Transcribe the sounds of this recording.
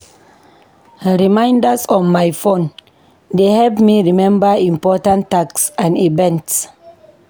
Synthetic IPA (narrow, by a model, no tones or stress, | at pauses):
ɹimãjndəsɔ̃nmajfõn | dehɛlpmiɹimɛ̃mbəĩmpɔtãntːaksãnivɛ̃nts